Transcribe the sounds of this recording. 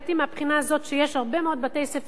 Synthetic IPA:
t̪imeapχinaːzo̞t̪ʃejeʃhaʁbe̞meo̞d̪̚bat̪esef

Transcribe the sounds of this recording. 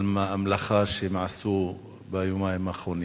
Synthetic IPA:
lmaʔamlaxaːɾʃimaʕsuː | bajumajmaxun

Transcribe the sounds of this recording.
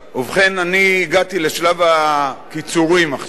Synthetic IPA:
uvχenaniːɡat̪ileʃlavakit͡suʁimaχ

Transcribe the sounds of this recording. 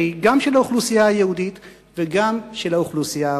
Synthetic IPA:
iɡamʃelaoχlusijaajehudit̪ | veɡamʃelaoχlusija

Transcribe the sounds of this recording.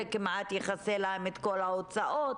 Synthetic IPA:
ekimat̪jeχaselaemet̪ko̞laot͡saʔot

